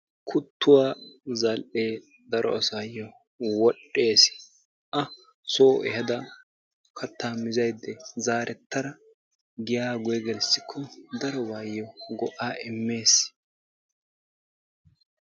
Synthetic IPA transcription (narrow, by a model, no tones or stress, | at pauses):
kʰʊt̪ːʊwaːzɐlʔeː | d̪ɐɾʔɔ̰ɐsajːɔ | wɔɗːe̞ːs | ʔɐ | soːʔɛ̰hɐd̪ɐ | kʰɐt̪ːaːmɪzɐjd̪ːɛzaːɾɛt̪ːɐɾɐ | ɡɪjaːɡʊjɛɡɛlsːɪkʰːɔd̪ɐɾɔwaːjːɔɡɔʔaːʔɪmːe̞ːs